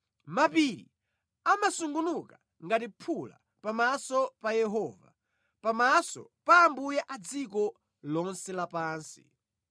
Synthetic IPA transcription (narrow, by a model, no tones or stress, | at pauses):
mapiɾḭ | amasuŋɡunuka | ŋɡatipʰula̰ | pamasɔpajɛɦɔːva̰ | pamasɔ̰paːmbujɛʔad͡zikɔ | lɔnsɛlapaːnsḭ